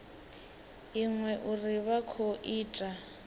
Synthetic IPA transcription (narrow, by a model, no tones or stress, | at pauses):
iŋwɛʔuriβakʰoʔiːtʼa